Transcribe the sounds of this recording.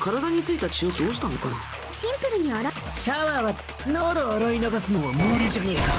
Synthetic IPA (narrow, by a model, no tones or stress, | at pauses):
kʰaɾad̪aɲ̟it͡sɨit̪at͡ɕiod̪oːɕi̥t̪anoka̰ | ɕĩmpɯɾɯ̟ɲ̟iaɾa | ɕaβaːβa | noːɾoːɾoinaɡasɨnoβamoːɾʲid͡ʑanʲeːka